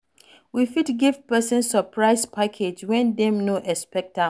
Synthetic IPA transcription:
wifitɡivpɛsə̃nsəpʰɹaɪspʰakʰed͡ʒwɛ̃ndɛ̃mnoʔɛspɛk̚ta

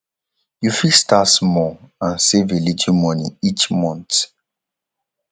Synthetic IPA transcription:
jufistatsmɔãnsevilitʰimɔniit͡ʃmɔ̃nt

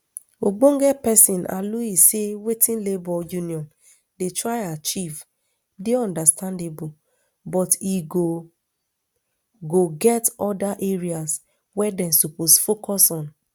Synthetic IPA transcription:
oɡ͡bõŋ̩ɡɛpɛsĩnʔa̰luisewetĩnlebɔjuniɔ̃n | detɹaɪat͡ʃiv | diɔ̃ndastãndebo | bɔtiɡo | ɡoɡɛtɔdaʔeɹias | wɛdɛ̃nsuposfokɔsɔ̃n

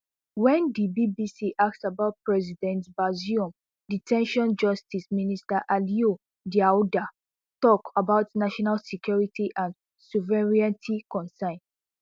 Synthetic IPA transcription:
wɛ̃ndibibisiʔak̚tsabaʊt̚pɹɛzidɛ̃ntbaziɔ̃m | ditʰɛ̃nʃɔ̃nd͡ʒɔstisministaʔalio | diada | tɔkabaʊtnaʃɔnalsikjɔɹitiʔãn | suvɛɹiãntikɔ̃nsãɪ̃n

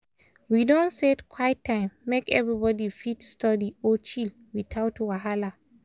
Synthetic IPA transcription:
widõnsedkʰwaɪtʰːãɪ̃mːekɛvɹibɔdifitstɔdiɔt͡ʃil | wiθʰaʊtwaɦala

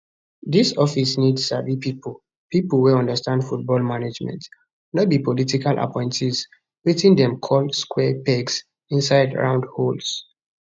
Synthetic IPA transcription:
disɔfisnidsa̰vipipul | piplweɔ̃ndəstãndfut̚bɔlmanad͡ʒmɛ̰̃nt | nɔt̚bipɔlitikalʔa̰pʰɔ̃ɪ̃ntʰis | witĩndɛ̃mkʰɔlskwɛpɛɡs | ĩnsaɪdɹã̰ʊ̃ndhols

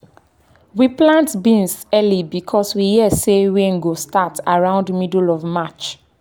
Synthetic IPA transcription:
wiplãntbĩnsɛlibikʰɔswihiəseweŋ̩ɡostataɹãʊ̃ndmidlɔvmat͡ʃ

